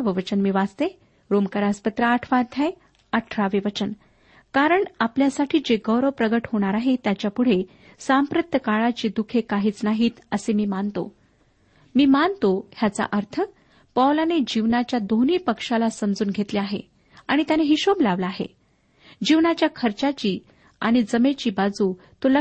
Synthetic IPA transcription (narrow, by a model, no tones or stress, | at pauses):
ʋəʋət͡ɕənmiːʋad͡zt̪e | ɾomkəɾaspət̪ɾəːʈʰʋad̪ʱjaj | əʈʰʋaʋiʋət͡ɕən | kaɾəɳapljasaʈʰiːd͡ʑeɡəwɾəpɾəɡəʈɦoɽ̃aɾaɦet̪jat͡ɕjapuɽ̤e | sampɾət̪ʰjəkaɭat͡ɕiːd̪ukʰekaɦiːt͡snaɦiːt̪əsemiːmant̪o̰ | miːmant̪oɦjat͡sa̰ʔəɾt̪ʰə | pawlaned͡ʑiʋnat͡ɕjad̪oniːpəkʂalasəmd͡zuːnɡʱet̪leaɦḛ | aɽ̃it̪janeɦiɕoblaʋlaːɦḛ | d͡ʑiʋnat͡ɕjakʰəɾt͡ɕat͡ɕiː | a̰ɽ̃id͡zəmet͡ɕiːbad͡zuː | t̪olə